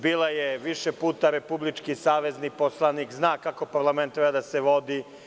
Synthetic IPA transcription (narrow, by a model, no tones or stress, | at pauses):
biːlajeʋiʃepuːt̪aɾe̞publit͡ʃkisaːʋe̞zniposlˠanikznaːkako̞paɾlˠament̪ːɾebad̪aseʋo̞d̪i